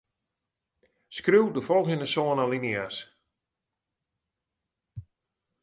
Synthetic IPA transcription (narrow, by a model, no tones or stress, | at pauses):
skrywdəfɔlˠɣənəsoənalinias